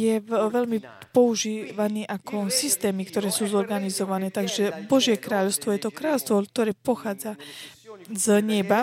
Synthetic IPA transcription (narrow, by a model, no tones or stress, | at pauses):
jɛʋɛʎmi | pɔuʒiːʋaniːʔakʰɔsist̪ɛːmikt̪ɔɾɛːsuːzɔɾɡanizɔʋanɛːt̪aɡʒɛbɔʒɪjɛkɾaːʎɔʊst̪ʋɔjɛt̪ɔkɾaːlɔʊst̪ʋɔk̚t̪ɔɾɛːpɔxaːd͡za | zɲɛba